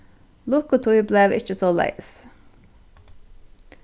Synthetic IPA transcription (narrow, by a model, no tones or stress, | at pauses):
lʊkʊt̪ʰujbleːʋɪ̰t͡ʃəsoːlæ̰ɪs